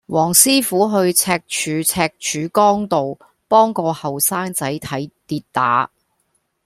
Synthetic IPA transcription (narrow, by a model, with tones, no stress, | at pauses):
wʔɔː˨˩ŋsiː˥fuː˨˥ɦɵ˧ɥt͡sʰɛː˧k̚t͡ʃʰyː˨˧t͡sʰɛː˧k̚t͡ʃʰyː˨˥kɔː˥ŋt̪o˨w | pɔː˥ŋkɔː˧hɐ˨wsaː˥ŋt͡sɐ˨˥jt̪ʰɐ˨˥jt̪iː˧t̚t̪a̰ː˨˥